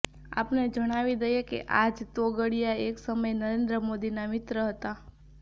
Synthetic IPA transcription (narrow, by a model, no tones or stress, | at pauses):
a̰pned͡ʒəɽ̃aʋid̪əjekḛʔad͡ʒt̪oɡəɽijaeksəməjnəɾend̪ɾəmod̪inamɪt̪ɾəɦət̪a